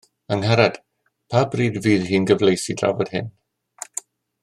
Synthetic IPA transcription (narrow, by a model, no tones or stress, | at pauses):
əŋhaɾad̥ | pʰaːbriːdviːðɦiːnɡəvlejsidra̰vɔd̥hɪ̰n